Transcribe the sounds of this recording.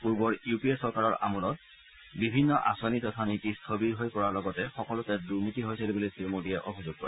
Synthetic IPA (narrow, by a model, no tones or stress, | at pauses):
puɹbɔɹiupiesɔɹkaɹɔɹa̰mulɔt̚ | bibʱinːɔʔa̰sɔnitɔtʰanitistʰobiɹɦojpɔɹaɹlɔɡɔtɛxɔkɔlʊtɛduɹnitiɦojselibulisimodijɛʔobʱizʊɡ̚kɔ̰ɹɛ